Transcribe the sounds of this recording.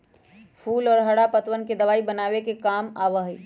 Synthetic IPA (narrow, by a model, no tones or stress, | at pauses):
pʰuːlɔːɾɦɐɽapət̪ʋənked̪ɐʋaːibɐnaːʋekekaːmaːʋəɦiː